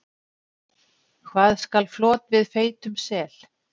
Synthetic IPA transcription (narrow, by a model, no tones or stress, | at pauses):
kʰvaːðskalflɔːt̪vɪðfeːjt̪ʏmsɛːl̥